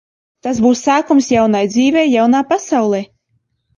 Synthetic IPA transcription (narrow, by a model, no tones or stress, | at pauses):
t̪asbuːsaːkɔmsjawnajd̪ziːvʲɛjjawnaːpasawlˠɛ